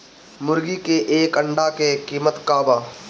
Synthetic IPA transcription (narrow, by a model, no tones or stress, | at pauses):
mʊɾɡikeʔeːkə̃ɳɖakekiːmət̪kaːbaː